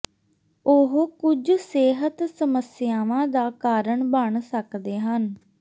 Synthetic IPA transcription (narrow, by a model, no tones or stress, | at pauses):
ʊɦkʊd͡ʒseːɦət̪səməsɪjaːʋãːd̪aːkaːɾəɳbəɳsəkd̪eːɦən